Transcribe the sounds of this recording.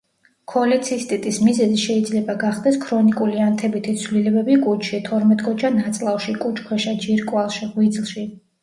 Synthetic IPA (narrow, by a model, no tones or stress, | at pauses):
kʰɔlɛt̪sʰist̪ʼit̪ʼismizɛziʃɛid̪zlɛbaɡaχd̪ɛskʰɾɔnikʼuliant̪ʰɛbit̪ʰit̪sʰvlilɛbɛbikʼut͡ʃʰʃit̪ʰɔɾmɛt̪ʼkʼɔt͡ʃʰanat̪sʼlˠafʃikʼut͡ʃʰkʰwɛʃad͡ʒiɾkʼwalˠʃiʁwid̪zlˠʃi